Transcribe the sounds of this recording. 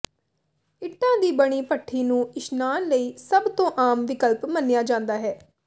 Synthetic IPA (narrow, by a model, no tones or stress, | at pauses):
ɪʈːãːd̪iːbəɽ̃iːpəʈʰːiːnũːɪʃnaːnləiːsəbt̪õːʔaːmʋɪkəlpmənːɪjaːd͡ʒãːnd̪aːɦɛː